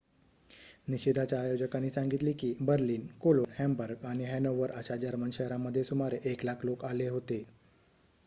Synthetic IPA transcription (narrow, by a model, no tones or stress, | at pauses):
niɕid̪ʱat͡ɕjaːjod͡ʑəkanːiːsãŋɡit̪liːkiːbəɾliːnkoloɾhɛmbəɾɡaɽ̃iɦɛnoʋəɾəɕad͡ʑaɾmənɕəɦɾaməd̪ʱːjesumaɾeʔeklakʰlokaleɦot̪e